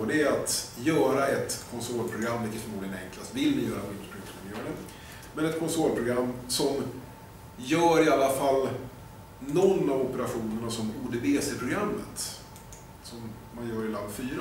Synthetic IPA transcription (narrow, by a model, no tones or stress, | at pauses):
d̪ɛɾat̪jœːɾaɛt̪kʰɔnsɔlpʰɾʊɡɾamːvɪkət̪fœɾmuːd̪ɪɡənɛ̰ŋklast̪vɪlmɪjœːɾamɪəpʰɾɪŋt̪mɛnɪunən | mɛnɛt̪kʰɔnsɔːlpʰɾʊɡɾamːsɔm | jœːɾɪalːafalː | nɔnːavɔpəɾaɧuːnəɳasɔmuːd̪əbeːsɛpʰɾʊɡɾamːət̪ | sɔmː | anjœːɾɪland̪fyːɾa